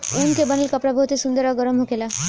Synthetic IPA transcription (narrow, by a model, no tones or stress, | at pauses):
unkebanelkɔpɾabʱɔt̪esund̪ɔɾaɡɔɾɔmɦokela